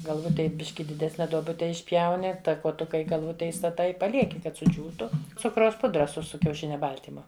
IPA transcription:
ɡɐlˠˈʋʊtʲeːj ˈbʲɪʃʲkʲɪ dʲɪˈdʲæːsʲnʲɛ duɔˈbʊtʲɛ ɪʃʲˈpʲjɛʊnʲɪ tɐ kuɔˈtʊkɐ iː ɡɐlˠˈʋʊtʲɛ iːstɐˈtɐɪ ɪ pɐˈlʲiɛkʲɪ kɐt sʊˈd͡ʒʲuːtʊ ˈt͡sʊkrɐʊs ˈpʊdrɐ sʊ sʊ kʲɛʊˈʃʲɪnʲɛ ˈbɐlʲtʲiːmʊ

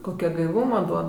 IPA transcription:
koːˈkʲɛ ɡɐɪˈʋuːmɐ ˈduɔt

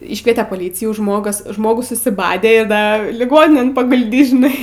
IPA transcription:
ˈiːʃkʋʲiɛtʲɛ pɐˈlʲiːt͡sʲɪjuː ˈʒmoːɡɐs ˈʒmoːɡʊs sʊsʲɪˈbɑːdʲeː ɪr ˈdɐ lʲɪˈɡoːnʲɪnʲeːn pɐɡʊlʲˈdʲiːs ʒʲɪˈnɐɪ

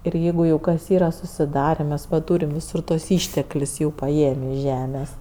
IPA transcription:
ɪr ˈjɛɪɡʊ jɛʊ kɐs ˈiːrɐ sʊsʲɪˈdɑːrʲeː mʲɛs ʋɐ ˈtuːrʲɪm ʋʲɪˈsʊr tuɔs ˈiːʃʲtʲɛklʲʊs jɛʊ pɐˈeːmʲɪ ɪʃ ˈʒʲæːmʲeːs

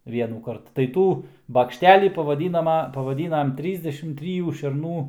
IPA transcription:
ˈʋʲiɛnuːkɐrt tɐɪ ˈtuː bɐkʃʲˈtʲæːlʲiː pɐʋɐˈdʲiːnɐmɐ pɐʋɐˈdʲiːnɐm ˈtʲrʲiːzʲdʲɛʃʲɪm ˈtʲrʲiːjuː ʃʲɛrˈnuː

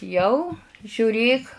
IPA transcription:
ˈjɛʊ ʒʲʊˈrʲeːk

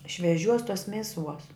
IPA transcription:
ʃʲʋʲɛˈʒʲuɔs tuɔs ˈmʲæːˌsuɔs

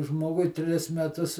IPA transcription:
ˈʒmoːɡʊɪ ˈtʲrʲɪs mʲɛˈtʊs

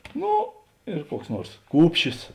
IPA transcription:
ˈnoː ɪr ˈkuɔks ˈnuɔrs ˈkuːpʲʃʲɪs

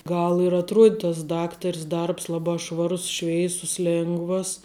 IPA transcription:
ˈɡɐlˠ ɪr ɐtˈruɔtʲ tɐs ˈdɑːktɐrʲs ˈdɐrps ˈlˠɑːbɑː ˈʃʋɑːrʊs ˈʃʲʋʲɛɪsʊs ˈlʲeːŋɡʋɐs

